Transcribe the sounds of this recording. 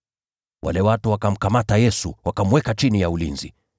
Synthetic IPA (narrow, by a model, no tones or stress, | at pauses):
wʔa̰lɛwatuwakam̩kamatajɛsuwakamwɛkat͡ʃinijaulinzi